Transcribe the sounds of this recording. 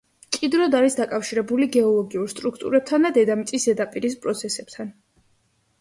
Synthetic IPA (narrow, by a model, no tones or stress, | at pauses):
kʼid̪ɾɔd̪aɾisd̪akʼafʃiɾɛbuliɡɛɔlˠɔɡiuɾst̪ʼɾukʰt̪ʼṵɾɛb̚t̪ʰand̪ad̪ɛd̪amit̪sʼisd̪ɛd̪apʼiɾispʼɾɔt̪sʰɛsɛb̥̚t̪ʰan